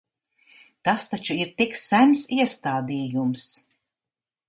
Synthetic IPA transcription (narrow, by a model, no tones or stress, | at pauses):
t̪ast̪at͡ʃuiɾt̪ikssænʲsiɛst̪aːd̪iːjums